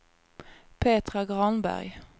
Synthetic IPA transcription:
pʰeːt̪ʁɑɡʁɑnbæ̰ʁj

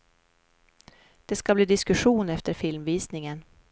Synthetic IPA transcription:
d̪̥ɛskabliːd̪ɪskɵɧuːnɛft̪əɾfɪlmviːsnɪŋən

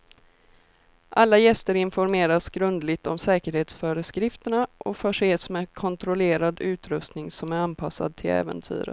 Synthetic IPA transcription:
ʔalːajɛst̪əɾɪnfɔɾmeːɾasɡɾɵnd̪lɪt̪ɔmsɛːkəɾheːt̪sfœːɾəskɾɪft̪əɳaʔɔfœːʂeːsmɛkʰɔnt̪ɾɔleːɾad̪ʉ̟ːt̪ɾɵst̪nɪŋsɔmæɾanpʰasa̰d̪̚t̪ʰɪlɛ̰ːvə̰nt̪ʰy̰ːɾə̰

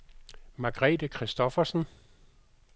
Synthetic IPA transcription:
mɑ̈ɡ̥ʁɛ̰ːd̥əkʰʁisd̥ɔfɐsn̩

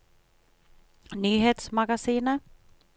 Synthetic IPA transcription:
nyːɦeːt̪smaɡasiːnə

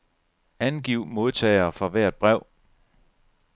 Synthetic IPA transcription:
ænɡ̥iʊ̰mo̝ð̞ˠt͡sʰɛ̰ːɪɐːfɑʋæɐ̰d̥̚b̥ʁɛʊ̰

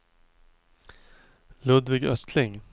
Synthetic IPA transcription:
lɵd̪vɪɡœst̪ʰlɪŋ

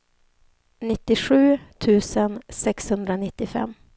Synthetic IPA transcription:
nɪt̪ːɪɧʉ̟ːt̪ʰʉ̟ːsənsɛkshɵnd̪ɾanɪt̪ːɪfɛ̰mː

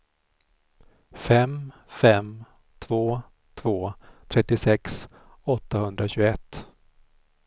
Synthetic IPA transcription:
fɛm | fɛm | t̪ʰvoː | t̪ʰvoːt̪ʰɾɛt̪ːɪsɛks | ɔt̪ːahɵnd̪ɾaɕɵɡɛt̪ː

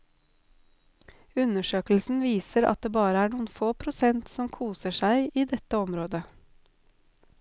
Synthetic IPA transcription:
ʉnəʃøːkl̩sn̩ʋiːsəɾɑ̰t̪̚d̪eːbɑːɾəæːɳuːən̩foːpʰɾʊsɛnt̪sɔmkʰuːsəʃæɪʔiːd̪ɛt̪əɔmɾoːd̪ə

